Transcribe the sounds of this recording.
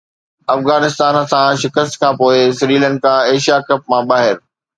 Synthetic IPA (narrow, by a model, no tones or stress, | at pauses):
ɐfɣaːnɪst̪aːnsãʃɪkəst̪kʰãːpoːɪsɪɾiːlə̃nɖ̚kʰãːeːʃijakɐp̚mãɓaːɦɪɾ